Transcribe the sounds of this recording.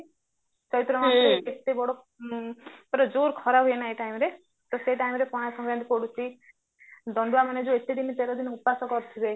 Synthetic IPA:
t͡ʃɔɾit̪ɾɔmaneet̪ebɔɽo | peɾɔd͡ʒoɾkʰɔɾaɦujenaeʈajmɔɾe | t̪ɔseʈajmɾepɔ̃ãasɔ̃ŋɡɾand̪ikɔɽut͡ʃʰi | d̪ɔɳɖuwamaned͡ʒuet̪ed̪init̪eɾɔd̪inɔupasɔkɔɾt̪ʰide

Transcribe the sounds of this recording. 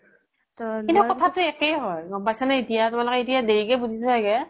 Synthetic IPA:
tɔkintukɔtʰatʊɛkɛjɦɔjbajsanaitijatʊmalʊkɛitijadeɹikɛbuzʱisɛajkɛ

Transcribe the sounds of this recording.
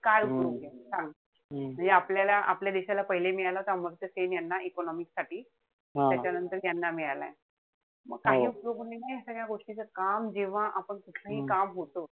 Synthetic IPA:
kajupjoɡesãŋɡ | m̤əɳd͡zeapljalaʔapljad̪eɕalapəɦilemiɭalaɦt̪aməɾt̪əsenjanːaʔekɔnɔmiksaʈiː | ɦt̪jat͡ɕjanənt̪əɾjanːamiɭala̰e | məɡkaɦiːupjoɡnanajasəkjaɡoʈʰlit͡səkamd͡ʑeʋ̤aʔapəɳkuʈʰlaɦiːkamɦot̪o

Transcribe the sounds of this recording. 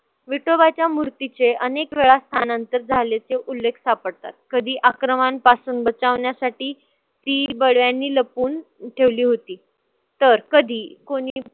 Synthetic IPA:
ʋiʈobat͡ɕjamuɾt̪it͡seʔənekʋeɭast̪ʰanant̪əɾd͡zʱalet͡seʔulːekʰsapəɽt̪a̰t̪̚kəd̪ʱiːʔakɾəmanpasuːnbət͡saʋɳjasaʈiː | t̪iːbəɽʋjanːiːləpuːn | ʈʰeʋliːɦot̪iː | t̪əɾkəd̪ʱiːkoɽ̃iːiː

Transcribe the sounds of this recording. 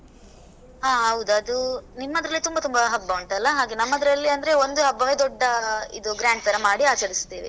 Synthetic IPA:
ɦaːɦɐwud̪uɐd̪unimːɐd̪ɐɾɐlːit̪umbɐt̪umbɐɦɐbːɐʋɐɳʈɐlːɐɦaːɡenɐmːɐd̪ɾɐlːiɐnd̪ɐɾe̞ond̪uɦɐbːɐʋed̪ɔɖːɐḭd̪uɡɾaːɳʈ̚t̪ɐɾɐmaːɽiaːt͡ʃɐɾist̪iːʋḭ

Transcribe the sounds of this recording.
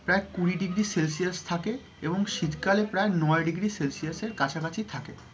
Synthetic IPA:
pɾaekuɾiɖiɡɾiselsiast̪ʰake | eboŋʃit̪kalepɾaenɔeɖiɡɾiselsiaseɾkat͡ɕʰakat͡ɕʰit̪ʰake

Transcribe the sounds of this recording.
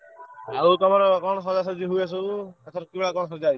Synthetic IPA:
aut̪ɔmaɾɔkɔɽ̃ɔsɔd͡ʒasɔd͡ʒiɦujasɔt̪at̪ʰɔɾɔkibeɭakɔɳɔsɔd͡ʒaj

